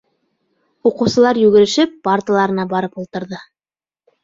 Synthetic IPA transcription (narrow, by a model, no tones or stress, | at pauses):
uqɤ̆wsɤ̆lˠɑɾjʉɡɘ̆ɾɘ̆ʃɘpːart̪ʲlˠɑɾɤ̆nɑbɑɾɤpulˠt̪ɤ̆ɾðɤ